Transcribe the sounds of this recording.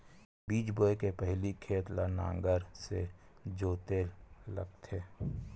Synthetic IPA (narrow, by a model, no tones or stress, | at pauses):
biːt͡ʃboːekepəɦlikʰeːt̪lanã̰ːŋɡəɾsed͡ʒoːt̪eːlːə̰ɡt̪ʰeː